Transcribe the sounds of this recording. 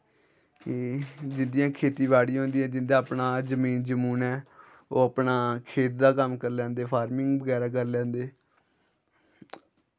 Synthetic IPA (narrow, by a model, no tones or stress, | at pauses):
d͡ʒɪnd̪ɪjãːkʰeːt̪iːʋaːɽĩɦõːnd̪ijãːd͡ʒɪnd̪aːəpnaːzəmiːnd͡ʒəmuːnɛː | oːapnaːkʰeːt̪̚d̪aːkəmkəɾlɛ̃ːnd̪eːpʰaːɾmɪŋɡbəɡɛːɾaːk̬əɾlɛ̃ːnd̪eː